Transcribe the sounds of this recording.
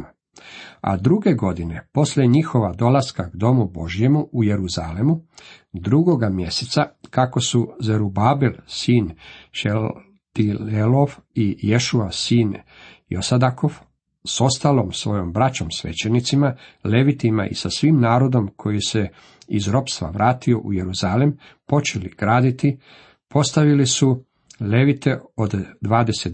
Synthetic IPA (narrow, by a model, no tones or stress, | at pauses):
a̰d̪ɾuɡe̞ɡo̞d̪ine̞po̞slʲjeɲixo̞ʋad̪o̞laskaɡd̪o̞mubo̞ʒije̞muʔuje̞ɾuzalemu | d̪ɾuɡo̞ɡamje̞set̪sakako̞suzeɾubaːbelsiːnʃe | t̪ielofijeʃuasiːn | josad̪ako̞f | so̞st̪aːlomsʋo̞jo̞mbɾat͡ɕo̞msʋe̞̰t͡ɕenit̪simale̞ʋit̪ima̰ʔḭsasʋiːmnaːɾo̞d̪o̞mkʰo̞jise̞ | izɾo̞pst̪ʋa̰ʋɾaːt̪io̞ʔuje̞ɾuzalem | po̞t͡ʃeliɡ̥ɾaːd̪it̪i | po̞st̪aʋilisu | le̞ʋit̪e̞od̪ːʋaːd̪e̞set̪